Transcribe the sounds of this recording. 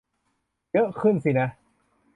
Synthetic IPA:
jɤ˦˥ʔkʰɯ˥˩nsi˧˩na˦˥

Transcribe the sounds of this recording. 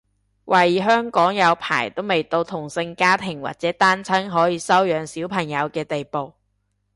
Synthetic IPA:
wʔɐ˨˩jɦœː˥ŋkɔː˨˥ŋjɐ˨˧wpʰa̰ː˨˩jt̪o˥wme˨jt̪o˧wt̪ʰʊ˨˩ŋsɪ˧ŋkaː˥t̪ʰɪ˨˩ŋwa̰˨t̚t͡sɛː˨˥t̪aː˥nt͡sʰɐ˥ŋɦɔː˨˥jiː˨˧sɐ˥wjœː˨˧ŋsiː˨˥wpʰɐ˨˩ŋjɐ˨˧wkɛː˧t̪e˨jpo˨w

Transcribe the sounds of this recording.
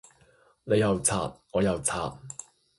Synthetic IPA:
ne˨˧jɐ˨wt͡sʰa̰ː˨t̚ŋɔː˨˧jɐ˨wt͡sʰa̰ː˨˩t̚

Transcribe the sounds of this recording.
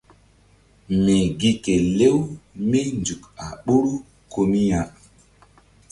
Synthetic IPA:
me˨ɡi˦ke˨le˦wme˦nd͡ʒu˨ka˨ɓu˦ɾu˦ | ko˨mi˦ja˨

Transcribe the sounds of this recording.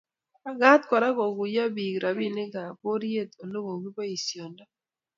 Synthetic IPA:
a˦ɡa˦t̪kɔ˨ɾa˦kɔ˨ɡʊ˨ja˦bi˨ɡɾa˨bi˦nɪ˦ɡa˨ko˦ɾje˦˨t̪o˨lo˦ɡo˨ɡi˦ba˦i˨sjɔ˨nda˦

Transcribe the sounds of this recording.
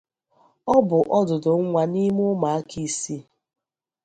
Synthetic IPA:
ɔ˦bʊ˨ʔɔ˦dʊ˨dʊ˨ŋ̩˦ŋʷa˨ni˦mʊ˦ma˨a˦ki˦si˦

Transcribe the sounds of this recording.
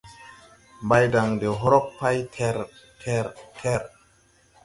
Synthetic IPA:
ba˦jda˨ŋde˨ɦo˦ɾɔ˦k̚pa˦jtʰɾʰ | ɾtʰɛ˦˨ɾ

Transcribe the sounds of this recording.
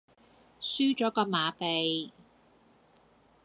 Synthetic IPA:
syː˥t͡ʃɔː˨˥kɔː˧maː˨˧pe˨j

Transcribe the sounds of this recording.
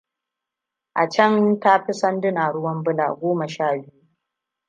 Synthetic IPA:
ʔa˨t͡ʃɐ˦nta˦ɸi˦sɐ˦ndɪ˦naː˨ɽʊ˦wɐ˦mbʊ˦la̰ː˨ɡʷoː˦mɐ˨ʃaː˦˨bɪ˦ju˦

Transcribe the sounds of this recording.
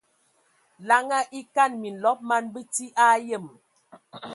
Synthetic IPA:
la˨ŋa˦ʔi˦ka˦˨nmi˨n̩˨lɔ˦p̚ma˦nbə˦ti˦ʔa˦jə˦˨m

